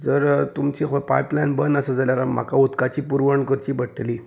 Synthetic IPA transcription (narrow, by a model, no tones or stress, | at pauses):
d͡zəɾt̪umt͡ɕixopa̰jplajnbənəsad͡zaljaɾam̤ːa̰kaut̪kat͡ɕiːpuɾʋəɳkəɾt͡ɕiːbəʈliː